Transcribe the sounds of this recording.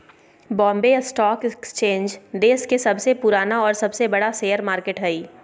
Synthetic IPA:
bɔ̃ːmbesʈɔːkɪkst͡ʃẽːnd͡ʒd̪eːskesɐbsepʊɾaːnaɔːɾsɐbsebɐɽaseːəɾmaːɾkeʈɦɛiː

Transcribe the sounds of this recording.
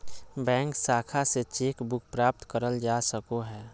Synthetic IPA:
bɛ̃ːŋksaːkʰaset͡ʃeːkbʊk̚ʰpɾaːp̚t̪kəɾəld͡ʒaːsəkoɦɛː

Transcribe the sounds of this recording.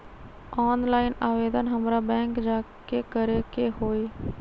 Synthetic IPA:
ɔːnlaːɪnaːʋeːd̪ənɦəmɾaːbɛ̃ːŋkd͡ʒaːkekəɾekeɦoːiː

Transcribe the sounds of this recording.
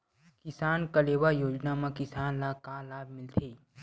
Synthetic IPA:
kɪsaːnkɐleːʋajoːd͡ʒnamãkɪsaːnlakaːlaːbʱmɪlt̪ʰeː

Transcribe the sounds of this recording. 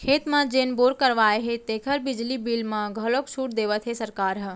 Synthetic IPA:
kʰeːt̪mãd͡ʒeːnboɾkəɾʋaeɦet̪ekʰəɾbɪd͡ʒlibilmãɡʱəloksʰuʈd̪eːʋət̪ɦesəɾkaːɾɦə

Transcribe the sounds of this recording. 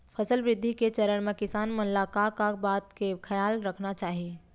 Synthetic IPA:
pʰɐsəlʋɾɪd̪ʱːiket͡ʃɐɾəɳmẽkɪsaːnmʊllaːkaːkabaːt̪kekʰɐjaːlɾɐkʰnat͡ʃaːɦieː

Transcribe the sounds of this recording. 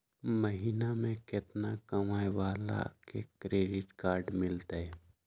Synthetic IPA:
məɦiːnamẽkɪt̪nakəmaːjwaːla̰kḛkɾeːɖɪʈkaːɾɖmɪlt̪eɛ

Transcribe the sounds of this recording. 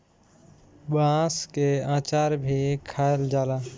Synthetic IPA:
bãːskeãːt͡ʃaːɾbʱikʰaːeld͡ʒaːlaː

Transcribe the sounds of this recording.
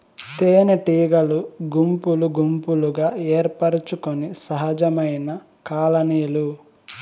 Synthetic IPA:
t̪eːneʈiːɡɐluɡumpuluɡumpuluɡaːeːɾpɐɾut͡ʃukonisɐɦɐd͡ʒɐmɐjnɐ | kaːlɐniːlu

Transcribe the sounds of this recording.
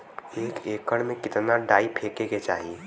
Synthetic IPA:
eːkeːkəɽmẽkɪt̪naɖaːipʰekeket͡ʃaːɦi

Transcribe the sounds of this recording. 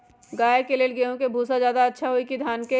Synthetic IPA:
ɡaːekeleːlɡeõkebʱuːsazjaːd̪aɐtːʃʰaɦoikid̪ʱaːnke

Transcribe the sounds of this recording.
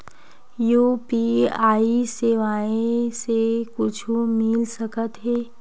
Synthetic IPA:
juːpiaːiseʋaːẽsekʊt͡ʃʰumɪlsəkət̪ɦɛː

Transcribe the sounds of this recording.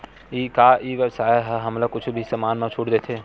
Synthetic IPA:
iːkaːʔiʋəsaːeɦəɦɐmlakʊt͡ʃʰbʱisɐmaːnmãt͡ʃʰuːʈd̪eːt̪ʰeː

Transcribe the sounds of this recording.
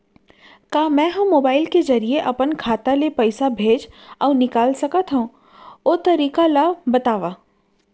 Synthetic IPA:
kaːmɛ̃ːɦũmːoːbaːɪlkezɐɾieʔɐpənkʰaːt̪alepɐɪsabʱeːd͡ʒɔːnɪkaːlsɐkət̪ɦõ | oːt̪ɐɾiːkalabɐt̪aːʋaː

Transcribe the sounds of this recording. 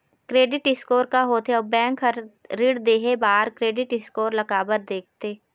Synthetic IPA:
kɾeːɖɪʈɪskoːɾkaɦoːt̪ʰeɔbɛ̃ːŋkɦəɾɾɪɽd̪eːɦebaːɾkɾeːɖɪʈɪskoːɾlɐɡaːbəɾd̪eːk̚ʰt̪eː

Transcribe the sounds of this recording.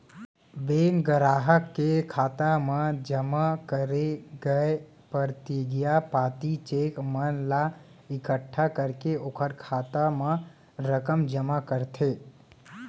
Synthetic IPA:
beːŋɡəɾaːɦəkːekʰaːt̪amãd͡ʒəmakəɾeɡəe | pəɾt̪iɡɪjapaːt̪it͡ʃeːkmənla | ɪkəʈʰːakəɾkeoːkʰəɾkʰaːt̪amã | ɾəkəmd͡ʒəmakəɾt̪ʰeː

